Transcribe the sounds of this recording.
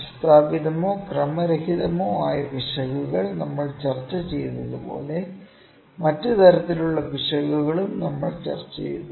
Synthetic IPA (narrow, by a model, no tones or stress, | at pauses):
st̪aːbiðɐmoːkrɐmɐɾɐhiðɐmoːaːjɐbiʂɐɣuɣɐɭnɐmːɐɭt͡ɕɐrt͡ɕːɐt͡ɕe̞jːɐnuðupo̞̰ːle̞ | mɐtːɨt̪ɐɾɐt̪ːiluɭːɐbiʂɐɣuɣɐɭumnɐmːɐɭt͡ɕɐ̰rt͡ɕːḛjɐðu